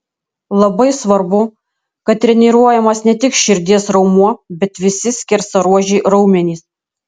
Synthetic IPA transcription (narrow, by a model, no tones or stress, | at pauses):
lˠɐbɐɪsʋɐɾbʊ | kɐt̪̚t̪ʲːɾʲɛnʲiɾuɔjɛmɐsnʲɛt̪ʲɪkʃʲɪɾʲd̪ʲiɛsɾɐʊmuɔbʲɛt̪ʋʲɪsʲɪsʲkʲɪɾsɐɾuɔʒʲɛɪɾɐʊmʲɛnʲiːs